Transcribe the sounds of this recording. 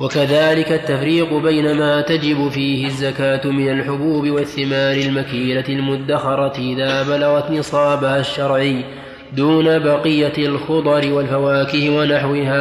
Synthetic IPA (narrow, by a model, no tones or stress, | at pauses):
wakaðaːlɪkat̪ːafɾiːqʊbajnamaːt̪ad͡ʒɪbʊfiːhɪzːakaːt̪mɪnalħʊbuːbɪwaθːɪmaːɾɪlmakiːlaɪlmʊd̪ːaxɑɾˤɑʔɪðaːbalaɣɑt̪nɨsˤɑːbahaʃːɑɾˤʕɪjː | d̪uːnabɑqɪjːalxʊd̪ˤɑɾɪwalfawaːkɪhɪwanaħwɪhaː